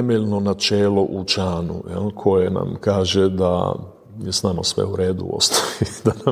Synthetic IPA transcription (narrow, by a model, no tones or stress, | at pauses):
t̪emeʎno̞nat͡ʃeːlo̞ʔut͡ʃaːnṵjɛ̰lkʰo̞jena̰mkaːʒed̪a̰ | jesnaːmno̰sʋḛuɾeːd̪ṵo̰st̪ʰojid̪ana